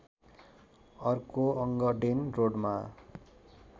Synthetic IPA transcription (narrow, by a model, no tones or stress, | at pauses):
ʌrkoʌŋɡʌɖenroɖma